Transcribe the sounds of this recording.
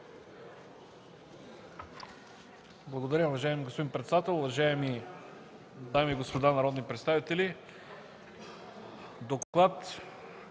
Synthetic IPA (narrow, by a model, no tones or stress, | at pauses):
blˠɐɡod̪ɐɾʲəʊvɐʒaɛmiɡospod̪inpɾɛt̪sɛd̪at̪ɛlˠʊvɐʒaɛmi | d̪amiːɡospod̪anɐɾɔd̪nipɾɛt̪st̪avit̪ɛli | d̪oklˠat̪